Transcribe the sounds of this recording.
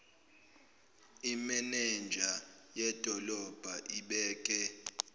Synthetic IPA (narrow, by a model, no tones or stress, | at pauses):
imɛnɛnd͡ʒʱajɛd̥ʱɔlɔb̥ʱaʔiɓɛːkʼɛ